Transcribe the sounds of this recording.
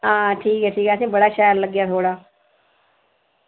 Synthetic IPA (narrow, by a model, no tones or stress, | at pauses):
ɦãːʈʰiːkɦɛːsʰiːkɦɛːəsĩːbəɽaːʃɛːəɾləɡːjaːt̪ʰoːɽaː